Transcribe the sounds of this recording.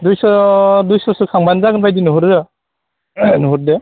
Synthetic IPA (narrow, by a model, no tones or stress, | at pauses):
dujsɔdujsɔsɯkʰaŋbanzaɡɯnbajdinɯɦuɾdɯ | nɯɦuɾde